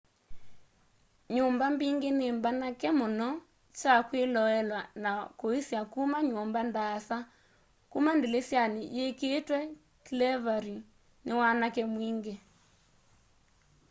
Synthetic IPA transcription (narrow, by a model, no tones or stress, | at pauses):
ɲombambiŋɡenembanakɛmonɔ | t͡ʃakwelɔɛlwanakoisjakumaɲombandasa | kumandelesjanijekeːtwɛ | klɛvaɾi | newanakɛmwiŋɡe